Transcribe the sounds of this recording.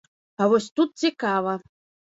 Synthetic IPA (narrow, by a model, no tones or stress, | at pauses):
avɔsʲt̪ut̪̚t͡sʲikavɐ